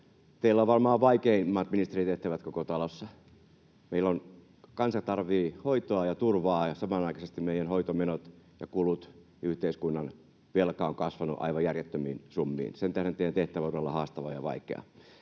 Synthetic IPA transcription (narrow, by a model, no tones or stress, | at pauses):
t̪eilːæoʋʋɑrmɑːʋʋɑikeimːɑːt̪minist̪erit̪eht̪æʋæt̪kokot̪ɑlosːɑ | meilːon | kɑnsɑt̪ɑrʋiːhoit̪oɑjɑt̪urʋɑːjɑsɑmɑnɑikɑsest̪immeijænhoit̪omenot̪jɑ̰kulut̪ | yht̪eiskunːɑn | ʋelkɑoŋkɑsʋɑnuʔɑ̰iʋɑjærjet̪ːømḭːnsumːḭːnsent̪æhɾent̪eijænt̪eht̪æʋæt̪uelːɑhɑːst̪ɑʋɑjɑʋɑ̰ikḛɑ̰